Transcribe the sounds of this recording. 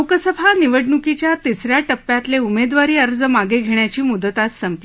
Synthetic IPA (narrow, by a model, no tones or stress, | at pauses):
okəsəbʱaniʋəɖnukit͡ɕjat̪isɾjaʈəpːjat̪leumed̪ʋaɾiːəɾd͡zəmaɡeɡʱeɳjat͡ɕiːmud̪ət̪at̪səmpl